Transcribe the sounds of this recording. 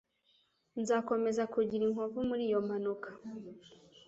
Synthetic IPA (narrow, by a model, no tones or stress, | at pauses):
nzako̞me̞zakuɟiɾiŋ̥ovumuɾiːjo̞mhanukʰḁ